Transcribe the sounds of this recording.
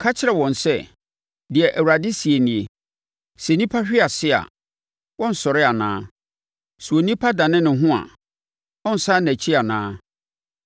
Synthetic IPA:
kʰa˦t͡ɕʰɪ˦˨ɾɛ˨wɔ̃˨n˨sɛ˦˨ | dɪ˨ɛ˨ʔæ˨wu˨ɾa˨dɪ˦si˨e˨nĩ˨e˨ | sɛ˨˦nĩ˦pʰa˦ɕᶣɪ˦a˨sɪ˦a̰˨ | wɔ̃˦n̩˨sɔ˨ɾɪ˦a˨nã̰ː˦ | su˨o˨nĩ˦pʰa˦dã˨nɪ̃˦nɪ̃˨˦ɦʊ̃˦a̰˨ | ɔ̃˦n̩˨sa˦næ̃˨t͡ɕʰi˦a˨nãː˦

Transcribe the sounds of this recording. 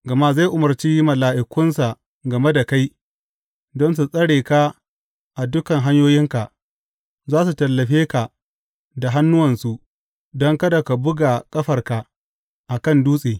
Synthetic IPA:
ɡɐ˨ma˦za˦˨ʔʊ˨mɐ˨rt͡ʃi˦mɐ˨laː˨ʔɪ˨kʷʊ˦nsa˨ | ɡɐ˨me˦da˨ka˦j | dɔ˦ns̬u˨sʼɐ˦ɽeː˨ka˦ | ʔa˨dʊ˦kɐ˨ŋɦa˦ɲjoː˦jɪ˦ŋka˨ʔ | zaː˦s̬u˨tɐ˨lːɐ˨ɸeː˦ka˨ʔ | da˨ɦa˦nːʊ˦wɐ˨nsu˨ | dɔ˦ŋkɐ˦da˨ka˨bʊ˦ɡa˨kʼɐ˦ɸɐ˨rka˨ | ʔa˨kɐ˦˨nduː˦sʼeː˨

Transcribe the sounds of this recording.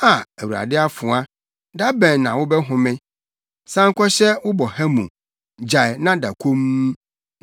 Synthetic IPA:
a˨æ˨wu˨ɾa̰˨dɪ˦a˦fʊ̃˨a˦ | da˦bɛ̃˨nː˨ã̰˨wʊ˦bɛ˦ɦʊ̃˨mɪ̃˦ | sã˦ŋ˦kʷʰɔ˦ɕɛ˦wʊ˦bɔ˨ha˦mũ˨ | d͡ʑa˨ɛ˨nã˦da˨kʷʰo˦m˦

